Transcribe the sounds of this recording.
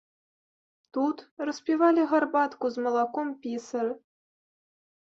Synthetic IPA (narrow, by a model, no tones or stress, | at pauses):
t̪ut̪rɤ̆spʲivɑlʲiʁɑrbɑt̪kuzmɤ̆lˠɑkompʲisɘ̆r